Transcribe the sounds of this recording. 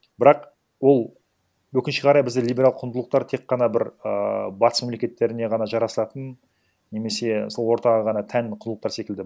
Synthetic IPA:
bɪɾɑq | wo̞lˠ | wɵkʲɪnʃɪqʰɑɾɑjbɪzd̪ɪlijbʲeɾalˠqʰʊnd̪əlˠəqt̪ɑɾt̪ʰe̞kqːɑnɑbɪɾə̰bɑt̪ə̥sme̞mlekʲe̞t̪ːe̞ɾɪne̞ʁɑnɑʒɑɾɑsəlˠɑt̪ən | ne̞me̞se̞so̞lˠwo̞ɾt̪ɑʁɑʁɑnɑt̪ʰænqʰʊndəlˠəqt̪ɑɾse̞kʲɪld̪ɪ

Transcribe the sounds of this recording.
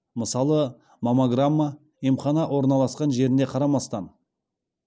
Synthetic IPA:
məsɑlˠə | momoɡramːa | imχɑnɑʔwo̞ɾnɑlˠɑsqɑnʒe̞ɾɪnd̪eqʰɑɾɑmɑst̪ɑn

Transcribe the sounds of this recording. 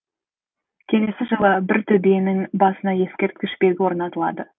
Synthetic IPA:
kʲʰe̞le̞sɪʒəlˠəbɪɾt̪ʰʏbenɪŋbɑsənɑje̞skʲe̞ɾt̪̚kʲɪʃpe̞ɡʲɪwo̞ɾnɑt̪əlˠɑ̰d̪ə

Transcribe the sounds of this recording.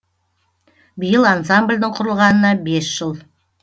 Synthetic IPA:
bijəlˠans̬amblʲd̪əɴqʰʊɾəlˠʁɑnənɑbe̞sʒ̥əlˠ

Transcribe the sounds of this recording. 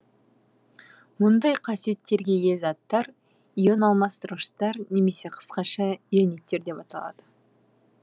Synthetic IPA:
mʊnd̪ɑjqʰɑsije̞t̪ːe̞ɾɡʲe̞jezɑt̪ːɑɾ | ijonɑlˠmɑst̪əɾəʃt̪ɑɾne̞me̞se̞qʰə̥sqɑʃɑiene̞t̪ːe̞ɾd̪e̞pɑt̪ɑlˠɑ̰d̪̥ə

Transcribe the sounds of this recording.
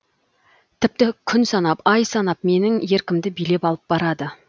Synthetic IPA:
t̪ʰɪp̚t̪ɪkʲʰʏnsɑnɑpɑjsɑnɑp̚me̞nɪŋje̞ɾkʲɪmd̪ɪbijle̞pɑlˠəp̚bɑɾɑd̪ə

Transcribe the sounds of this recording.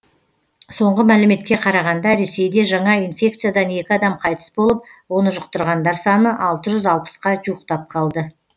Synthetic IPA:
so̞ɴʁəmælɪme̞t̪̚kʲe̞qʰɑɾɑʁɑnd̪ɑɾe̞se̞jd̪e̞ʒɑɴɑinfʲe̞k̚t̪sɨjad̪ɑne̞kʲɪɑd̪ɑmqʰɑjt̪ə̥sbo̞lˠəp̚wo̞nəʒʊqt̪əɾʁɑnd̪ɑɾsɑnəʔɑlˠt̪əʒʏzɑlˠpə̥sqɑʒuəqt̪ɑp̚qʰɑlˠd̪ə

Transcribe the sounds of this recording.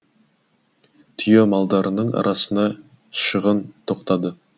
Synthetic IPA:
t̪ʰʏjemɑlˠd̪ɑɾənəɴʔɑ̰ɾʔɑsənɑ | ʃəʁənt̪ʰo̞qt̪ɑd̪ə

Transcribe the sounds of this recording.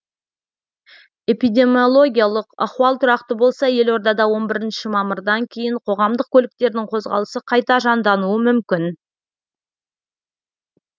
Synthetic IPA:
e̞pijd̪e̞mjo̞lˠo̞ɡʲijalˠəqɑ̰χwɑlˠt̪ʰʊɾɑqt̪əbo̞lˠsɑje̞lo̞ɾd̪ɑd̪ɑwo̞nbɪɾɪnʃɪmɑməɾd̪ɑŋkʲʰe̞jɪɴqʰo̞ʁɑmd̪əq̚kʲʰɵlɪk̚t̪e̞ɾd̪ɪŋqʰo̞zʁɑ̰lˠəsəqʰɑjt̪ɑʒɑnd̪ɑnuəmʏmkʲɪn

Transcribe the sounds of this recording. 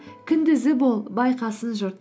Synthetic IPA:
kʲʰʏnd̪ɪzɪbolˠbɑjqɑsənʒʊɾt̪

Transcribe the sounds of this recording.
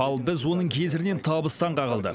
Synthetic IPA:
ɑlˠbɪzwo̞nəɴkʲʰe̞zɪɾɪne̞nt̪ʰɑbəst̪ɑɴqʰɑʁəlˠd̪ə̰

